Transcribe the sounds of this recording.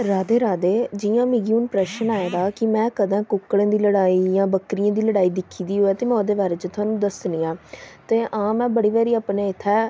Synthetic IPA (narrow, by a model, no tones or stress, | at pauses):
ɾaːd̪eːɾaːd̪eːd͡ʒɪjãːmɪɡijuːnpɾɛʃənaːeːd̪aːkɪmɛ̃ːkəd̪ãːkʊkːɽẽːd̪iːləɽaːiːjãːbəkɾɪjãːd̪iːləɽaːiːd̪ɪkʰːiːd̪iːɦoːɛːt̪eːmɛ̃od̪eːʋaːɾeːt͡ʃət̪ʰʊaːnũːd̪əsniːãːt̪eːʔãːmɛ̃ːbəɽiːʋɛːɾiːaːpneːɪt̪ʰːɛː